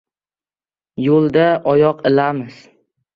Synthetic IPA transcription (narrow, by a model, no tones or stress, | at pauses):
jolˠd̪aʔɒjɒqɪlamɪz̥